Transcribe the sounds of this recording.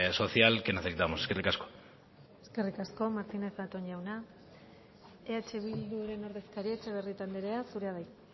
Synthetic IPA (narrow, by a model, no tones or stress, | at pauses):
so̞θjalkenaθek̚t̪amoseskerikasko̥ | e̞ske̞rikasko̞maɾt̪ine̞θat̪o̞ɲʝawna | eat͡ʃe̞βild̪uɾe̞no̞ɾðe̞skaɾiet͡ʃeβ̞e̞rit̪and̪eɾe̞asuɾe̞aðaj